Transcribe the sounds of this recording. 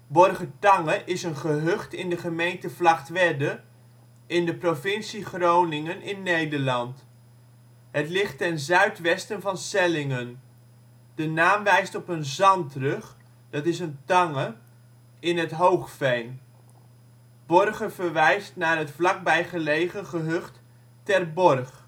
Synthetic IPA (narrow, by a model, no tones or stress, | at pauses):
bɔrχətɑŋəʔɪsənχəɦɵχtɪndəχəmejntəvlɑχtʋɛdə | ɪndəprovɪnsiχrownɪŋənɪnːejdəɹlɑnt | ɦətlɪχtɛnzœɥtʋɛstənvɑnsɛlɪŋən | d̥ənaːmʋɛjstɔpənzɑntrɵχ | d̥ɑtɪsəntɑŋə | ɪnɦətɦowχfejn | b̥ɔrχəvəɹʋɛjstnaːɹɦətflɑk̚bɛjχəlejχənχəɦɵχt | tɛrbɔrχ